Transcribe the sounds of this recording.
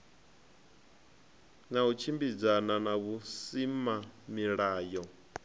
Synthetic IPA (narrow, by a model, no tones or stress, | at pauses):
naut͡ʃʰimbid͡zananaβusimamiɺaːjɔ